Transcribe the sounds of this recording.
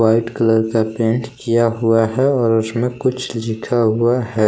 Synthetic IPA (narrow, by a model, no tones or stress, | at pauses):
aːɪʈkələɾkapẽːnʈkijaɦʊaɦɛɔːɾʊsmẽkʊt͡ʃʰlɪkʰaɦʊaɦɛː